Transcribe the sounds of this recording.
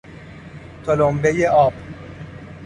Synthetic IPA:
t̪ʰolombejeʔɒːb

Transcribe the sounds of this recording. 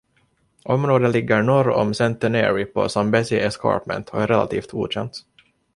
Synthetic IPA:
ʔɔmɾoːd̪əlɪɡːəɾɳɔɾɔ̰msɛnt̪ɛnɛ̰ɾɪpʰɔ̰sambɛsɪʔɛskɑ̰ɾpmɛ̰nt̪ɔ̰æɾɛla̰t̪ʰiːft̪ɡṵːɕɛnt̪

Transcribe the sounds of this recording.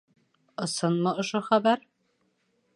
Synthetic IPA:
ɤ̆sɤnmɤ̆ŏʃoχæbæɾ

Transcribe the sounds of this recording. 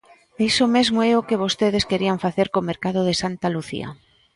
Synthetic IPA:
isomezmoɛokeβ̞ost̪eð̞eskeɾiaɱfaθeɾkomeɾkað̞ʊð̞esant̪aluθḭa̰

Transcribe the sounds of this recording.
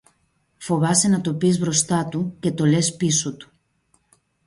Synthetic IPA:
fo̞vɐsenɐt̪opizβɾo̞st̪ɐt̪uce̞t̪o̞lespisot̪u̥

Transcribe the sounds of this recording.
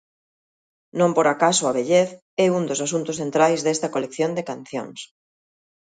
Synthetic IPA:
nõmpoɾakasoaβeʎeθ | ɛund̪osasunt̪ʊsθent̪ɾajzðest̪ɐkolekθjond̪ekan̟θjo̰ŋs

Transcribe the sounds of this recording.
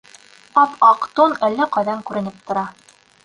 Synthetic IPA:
ɑp̪ɑqt̪onælːæqɑjðɑŋkʉɾɘ̆nɘpt̪ŏɾɑ

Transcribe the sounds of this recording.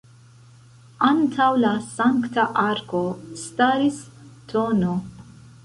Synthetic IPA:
ant̪ʰawlasaŋkt̪aʔaɾkost̪aːɾist̪ʰono

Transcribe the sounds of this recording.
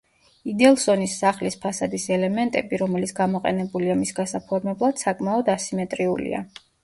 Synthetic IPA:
id̪ɛlˠsɔnisːaχlispʰasad̪isɛlɛmɛnt̪ʼɛbiɾɔmɛlit̪sʰɡ̥amɔqʼɛ̰nɛbuliamisɡasapʰɔɾmɛblˠad̪̥sakʼmaɔd̪asimɛt̪ʼɾiṵlḭa̰

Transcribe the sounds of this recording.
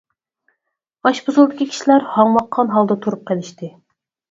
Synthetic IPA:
ɑʃbuzulˠd̪ɪkʲikʲʰi̥ʃilæɾhɑŋlɑqʰːɑnɦɑlˠd̪ət̪ʰuɾup̚qʰəlɪʃt̪ɪ

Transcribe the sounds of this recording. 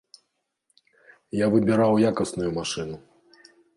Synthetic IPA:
javɨbʲiɾawjakɐsnujumaʂɨnu

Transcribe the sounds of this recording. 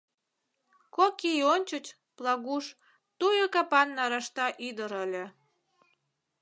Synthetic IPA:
kokijonʲt͡ɕət͡ɕ | plɑɣuʃ | t̪ujokɑpɑnːɑɾɑʃt̪ɑʔid̪əɾəlʲe

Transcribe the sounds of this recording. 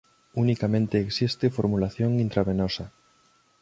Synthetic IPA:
unikamẽnt̪eːksist̪efoɾmulaθjoŋint̪ɾaβenosa

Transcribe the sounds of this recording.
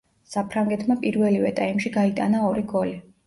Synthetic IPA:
sapʰɾaŋɡɛt̪ʰmapʼiɾvɛlivɛt̪ʼaimʃiɡait̪ʼa̰naɔɾiɡɔli

